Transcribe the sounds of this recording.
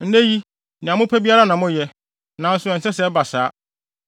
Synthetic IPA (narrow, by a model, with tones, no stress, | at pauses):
n̩˦ne˦ji˦ | nɪ̃˨ã˨mʊ̃˦pʰæ˦bi˦a˦ɾa˦nã˨mʊ̃˦jɛ˦ | nã˨˦n̩˦sʊ˨˦ɛ˨n̩˨sɛ˦sɛ˦ba˨saː˨˦